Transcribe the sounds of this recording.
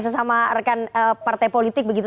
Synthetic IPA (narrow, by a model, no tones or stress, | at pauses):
s̬əsamarəkanəpart̪ajpolit̪ɪk̚bəɡit̪u